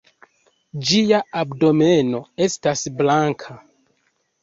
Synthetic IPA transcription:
d͡ʒiaabdo̞me̞no̞e̞stasblaŋkʰa

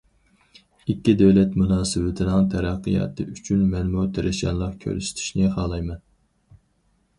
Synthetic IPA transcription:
ikʲːid̪ɛwlɛt̪munɑːsɨwɪt̪ʰɪnɨŋt̪ʰæɾæqːɨjɑ̰ːt̪ʰɨyt͡ʃʰynmɛnmut̪ʰeɾʔɪʃjɑ̰nlˠɑqkʲʰø̰ɾsɪ̥t̪ʰi̥ʃnɪχɑːlˠɑjmɛn

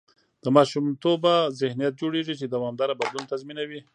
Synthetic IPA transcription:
d̪̥əmɑʃumt̪obazɪhnijat̪̚d͡ʒoɽeʐit͡ʃed̪awɑmd̪ɑɾabad̪lunt̪azminawi

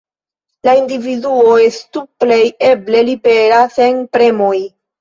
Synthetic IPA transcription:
laindividuo̞e̞stuple̞je̞ble̞libe̞ɾase̞npɾe̞mo̞j

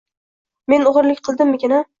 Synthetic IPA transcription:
me̞nʊʁɨɾlɪkʲqʰɨlˠd̪ɪmːɪkʲɪna

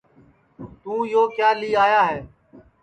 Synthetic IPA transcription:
t̪ũːjoːkjaːliːaːjaːɦeː

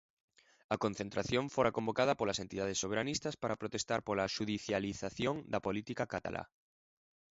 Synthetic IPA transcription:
ɐkonθent̪ɾaθjõɱfoɾakombokaðɐpolasent̪iðaðesːoβ̞eɾanist̪aspaɾapɾot̪est̪aɾpolaʃuðiθjaliθaθjoŋd̪ɐpolit̪ikakat̪a̰lʔa̰

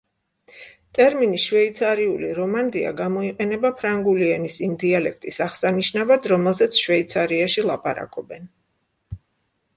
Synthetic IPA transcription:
t̪ʼɛɾminisʃvɛit̪sʰaɾiuliɾɔmand̪ia̰ɡamɔiqʼɛnɛbapʰɾaŋɡuliɛnisimd̪ialɛk̚ʰt̪ʼisaʁsaniʃnavad̪ɾɔmɛlˠzɛt̪sʰʃvɛit̪sʰaɾiaʃilˠapʼaɾa̰kʼɔbɛn

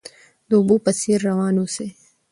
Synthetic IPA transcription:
d̪obuːpɐsiːɾːɐwɑːnuse

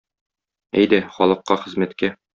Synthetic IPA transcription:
æjd̪æχɒlˠɤ̆qːɑχɘ̆zmæt̪kæ

